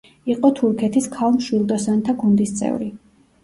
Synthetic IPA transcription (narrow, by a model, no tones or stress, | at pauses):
iqʼɔt̪ʰuɾkʰɛt̪ʰiskʰalˠmʃwilˠd̪ɔsant̪ʰaɡund̪ist̪sʼɛ̰vɾi